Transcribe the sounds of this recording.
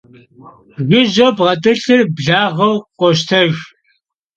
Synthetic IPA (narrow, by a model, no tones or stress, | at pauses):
ɣɨʒɐbʁɐtʼɨɬɨrbɮaːʁɐwqʷɔʃtʰɐɣ